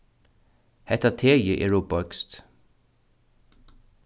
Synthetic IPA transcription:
hɛht̪ːat̪ʰeːjəʔɛɹupœkst̪

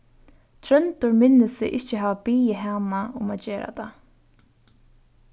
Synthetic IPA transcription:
t̪ʰɾœnt̪ʊɹmɪnːɪsɪ̰ʔɪht͡ʃɪɦaːvabiːjɪɦaːnaʊmat̪d͡ʒeːɾa̰t̪ʰa̰

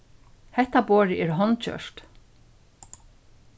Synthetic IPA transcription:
hɛht̪aboːɹɪʔɛɾɦɔnt͡ʃœ̰ʂt̪

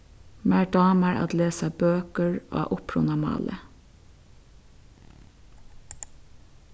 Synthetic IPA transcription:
mæɹɖɑːməɹɑ̰t̪leːsabøːkəɹo̰ːʔʊpʰɹʊnʊmɑ̰ːlʔə̰

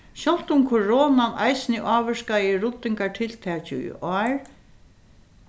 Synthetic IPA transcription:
ɕɔl̥t̪ʊmkʰɔɹɔːnanʔa̰jsɪnɪʔɑːʋɪʂkaɪɾʊt̪ːɪŋkaʈʰɪlt̪ʰɛːt͡ɕɪ̰ʔɔːɹ

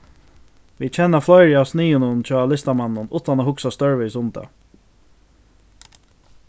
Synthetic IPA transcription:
ʋiːt͡ʃʰɛnːaflɔɪɹaːwsniːənʊnt͡ʃʰɔːlɪst̪amanːʊnṵːt̪anaːhʊksast̪œɹvɛsʊmd̪ɛ̰

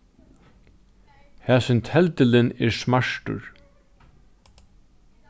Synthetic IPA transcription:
hæːsɪnt̪ʰɛlt̪ɪlɪnɛɹsmaʂʈʊ̰ɹ

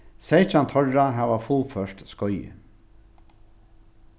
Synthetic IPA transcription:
sejt͡ʃant̪ʰɔɹaɦæːʋafʊlfœʂt̪skɔjjə̰

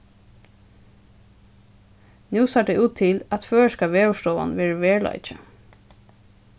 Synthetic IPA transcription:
nʉːsɑɖɛɪʔuːt̪ʰːɪlæt̪føːəʃkaʋeːʊʂt̪ɔːa̰nʋɛːɹəʋeːɹɭa̰ɪt͡ʃə̰

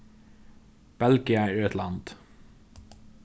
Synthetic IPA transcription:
b̥ɛlɡɪəət̪ʰlɑnd̪̥

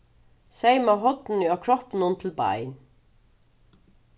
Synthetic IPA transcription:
sɛjmaɦɔt̪nʏakʰɾɔhpnʊnt̪ʰɪlba̰jn

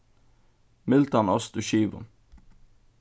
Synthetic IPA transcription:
mɪlt̪ɑnɔsd̪ʉːʃiːʋʊ̰n

